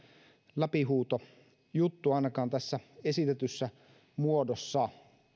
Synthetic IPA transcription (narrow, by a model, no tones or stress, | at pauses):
læpiɦuːt̪o | jut̪ːuɑˑinɑkɑːnt̪æsːæesit̪et̪ysːæ | muodosːɑ